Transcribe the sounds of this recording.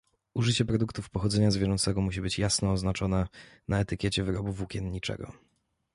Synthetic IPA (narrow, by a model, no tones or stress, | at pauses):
uʐɘt͡ɕɛpɾɔd̪ukt̪ufpɔxɔd̪zɛɲazvʲjɛʐɔnt̪sɛɡɔmuɕ̬ibɘt͡ɕjasnɔːznat͡ʂɔnɛnaɛt̪ɘkʲjɛt͡ɕɛvɘɾɔbuvukʲɛnɲit͡ʂɛ̰ɡɔ̰